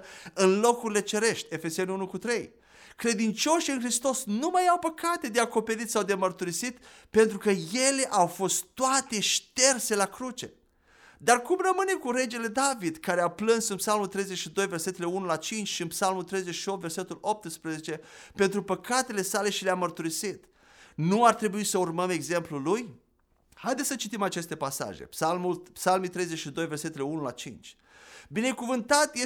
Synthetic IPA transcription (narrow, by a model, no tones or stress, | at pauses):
ɨnlo̞kuɾile̞t͡ʃe̞ɾe̞ʃt̪ʲe̞fe̞se̞nunukut̪ɾe̞j | kɾe̞d̪int͡ʃo̞ʃɨnxɾist̪o̞snumajawpəkat̪e̞d̪eako̞pe̞ɾit̪sawd̪emərt̪uɾisit̪ | pe̞nt̪ɾukəjele̞ʔawfo̞st̪t̪ːoat̪e̞ʃt̪e̞rse̞lakɾut͡ʃe̞̰ | d̪arkumrəmɨne̞kuɾe̞d͡ʒe̞le̞d̪avid̪kaɾeaplɨnsɨnpsalmult̪ɾe̞jzet͡ʃʃid̪o̞jve̞rse̞t̪e̞leunulat͡ʃint͡ʃʲʃiɨnpsalmult̪ɾe̞jzet͡ʃʃio̞pt̪ve̞rse̞t̪ulop̚t̪ɨspɾezet͡ʃe̞pe̞nt̪ɾupəkat̪e̞le̞sale̞ʃileamərt̪uɾisit̪ | nuart̪ɾe̞buisəurməme̞ɡze̞mpluluj | hajd̪esət͡ʃit̪imat͡ʃe̞st̪e̞pasa̰ʒḛpsalmulpsalmit̪ɾe̞jzet͡ʃʃid̪o̞jve̞rse̞t̪e̞leunula̰t͡ʃint͡ʃʲ | bine̞kuvɨnt̪at̪je